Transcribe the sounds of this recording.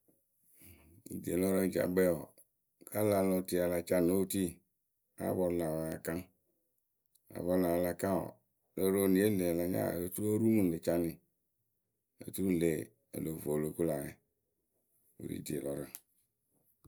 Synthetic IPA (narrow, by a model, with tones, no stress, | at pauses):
i˨di˨e˨lɔ˦ɾe˦˨d͡ʒa̰˨bɛ˦ɔ˨ | ka˦la˨˦lɔ˨ti˨a˨la˨t͡ʃa˦n˨o˦ti˦ | a̰˦βɔ˨la˨ɔ˨ja˨ka˦ | a̰˨vɔ˦la˨la˨kã˦ɔ̰˨ | le˦ɾo˦nĩ˨e˦le˨la˨ɲa̰˦˨e˨t̪u˦o˦ɾu˦mũ˦˨le˨t͡ʃa˦nɪ̃˨ | ḛ˨t̪u˦u˦le˨ | ḛ˨lo˨vo˨lo˨ku˦la˨ne˨ | o̰˨ɾḭ˦di˨e˨lɔ˨ɾɛ˦